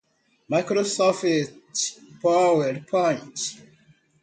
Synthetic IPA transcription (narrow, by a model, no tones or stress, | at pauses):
makɾosɔfitpawɛdpʰɔ̃j̃nt